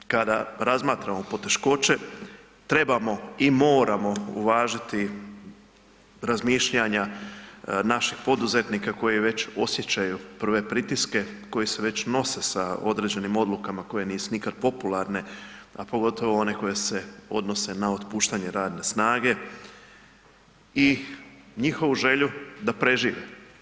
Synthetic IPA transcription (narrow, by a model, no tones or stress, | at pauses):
kad̪aɾazmaːt̪ɾamo̞po̞t̪e̞ʃko̞t͡ʃe̞ | t̪ɾe̞bamo̞imo̞ːɾamo̞ṵʋaːʒit̪i | ɾazmiːʃʎaɲa | naʃixpo̞d̪uze̞t̪nikako̞jiʋe̞t͡ɕo̞sje̞t͡ɕajupr̩ʋe̞pɾit̪iske̞ko̞jise̞ʋe̞t͡ɕno̞se̞sao̞̰d̪ɾe̞d͡ʑe̞nimo̞d̪lˠukamako̞je̞niːsunikad̪̚po̞pulaɾne̞apo̞ɡo̞t̪o̞ʋo̞o̞ne̞ko̞je̞se̞o̞̰d̪no̞se̞nao̞t̪puːʃt̪aɲe̞ɾaːd̪ne̞snaːɡe̞ | i | ɲixo̞ʋuʒe̞ʎud̪apɾe̞ʒiːʋe